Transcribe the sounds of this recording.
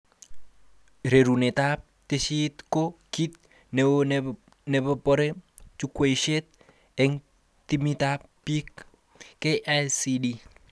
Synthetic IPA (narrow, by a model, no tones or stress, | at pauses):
ɾeɾunet̪ap̚t̪esit̪kokit̪̚ | newon | nebɔpɔɾe | t͡ʃukweʃet̪̚ | ɛŋ | t̪imit̪ap̚pikː | eʔasidi